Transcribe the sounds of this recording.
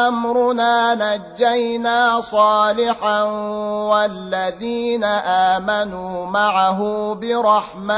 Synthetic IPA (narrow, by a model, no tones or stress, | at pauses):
ʔamɾʊnaːnad͡ʒːajnaːsˤɑːlɪħanwalːaðiːnaʔaːmanuːmaʕaɦʊːbɪɾˤɑħma